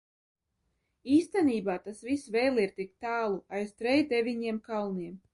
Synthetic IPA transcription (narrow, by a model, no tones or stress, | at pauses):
iːst̪ɛniːbaːt̪asvisvɛːlˠiɾt̪ik̚t̪aːlˠuajst̪ɾɛjd̪ɛvʲiɲiɛmkalˠniɛm